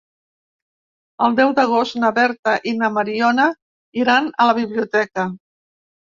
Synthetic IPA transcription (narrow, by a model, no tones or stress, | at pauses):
əlˠd̪ɛwd̪əɣ̞ost̪nəβɛɾt̪əʔinəmaɾiɔnə | iɾanələβiβ̞liut̪ɛkə